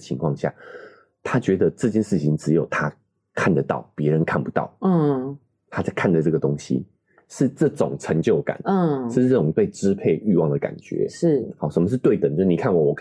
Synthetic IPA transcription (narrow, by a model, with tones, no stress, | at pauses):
t͡ɕʰḭ˧ŋkʰwɑ̰˥˧ŋɕja̰˥˩ | t̪ʰa˥t͡ɕɥɛ˧˥d̪ə˧ʈ͡ʂɤ˥˧t͡ɕjɛ˥˧nʂɻ̩˥˩t͡ɕʰi˨ŋʈ͡ʂɻ̩˧˥jo˨˩ʊt̪ʰa˥ | kʰa˥˩nd̪ə˩t̪ɑ̰˥˩ʊpjɛ˧˦ɻə˧˦nkʰa˥˩npu˧˦t̪ɑ̰˥˩ʊ˥˩ | t̪ʰa˥˩ɪkʰa˥˩nd̪ə˩ʈ͡ʂɤ˥˩ɡə˩t̪ʊ˦˥ŋɕḭ˦ | ʂɻ̩˥˧ʈ͡ʂɤ˥˩ʈ͡ʂʊ̰˨˩ŋʈ͡ʂʰə˧˥ŋt͡ɕjo˥˩ʊka̰˨˩˦n˥ɤ˥˧˥ɤ˥˩ʈ͡ʂʊ˨˩ŋt̪we˥˧ɪʈ͡ʂɻ̩˥pʰe˥˧ɪy˥˧wɑ˥˨ŋd̪ə˩ka̰˨˩nt͡ɕɥɛ̰˧˦ʂɻ̩˥˩xɑ˧˨˦ʂə˨nmə˧ʂ̬ɻ̩˥˧t̪we˥˩ɪt̪ə˨˩nt͡ɕjo˥˧ʂni˨kʰa˥˩nwɔ˨˩wɔ˨˩